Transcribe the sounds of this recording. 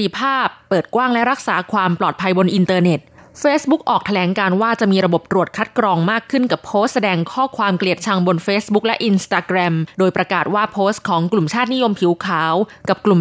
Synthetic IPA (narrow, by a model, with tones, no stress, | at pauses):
i˧˩pʰaː˥˩pːɤː˨˩t̪̚kwaː˥˩ŋlɛ˦˥ɾa˦˥k̚saː˩˦kʰwaː˧mplɔː˨˩t̪̚pʰa˧jbo˧nʔi˧nt̪ɤː˧ne˨˩t̪̚feː˦˥sbu˦˥k̚ʔɔː˨˩k̚t̪ʰa˧lɛː˩˦ŋkaː˧nwaː˥˩t͡ɕa˨˩ʔmiː˧ɾa˧bo˨˩p̚t̪ɾu˨˩ət̪̚kʰa˦˥t̪̚kɾɔː˧ŋmaː˥˩kʰːɯ˥˩nka˨˩pʰːoː˦˥st̪̚sa˧dɛː˧ŋkʰɔː˥˩kʰwaː˧mkli˨˩ət̪̚t͡ɕʰa˧ŋbo˧nfeː˦˥sbu˦˥k̚lɛ˦˥ʔi˧nst̪aː˧kɾɛ˧mdoː˧jpɾa˧kaː˨˩t̪̚waː˥˩pʰoː˦˥stkʰɔː˩˦ŋklu˨˩mt͡ɕʰaː˥˩t̪̚ni˦˥jo˧mpʰiː˨˩˦wkʰaː˩˦wka˨˩p̚klu˨˩m